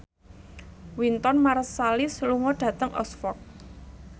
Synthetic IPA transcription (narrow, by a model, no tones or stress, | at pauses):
wint̪ɔnmaɾəsːalɪsluŋɔɖ̥ä̤t̪əŋʔɔ̰sfɔk̚